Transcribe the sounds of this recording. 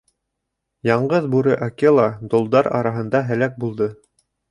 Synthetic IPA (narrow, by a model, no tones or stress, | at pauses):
jɑɴɢɤðbuɾɤʔakelˠɑd̪ŏlˠd̪ɑɾɑ̰ɾɑɦɤ̆nd̪ɑɦɘ̆læk̚bulˠd̪ɤ